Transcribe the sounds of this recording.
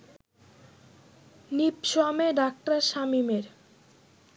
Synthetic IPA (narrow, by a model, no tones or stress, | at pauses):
nipʃoameɖak̚ʈaɾʃamimeɾ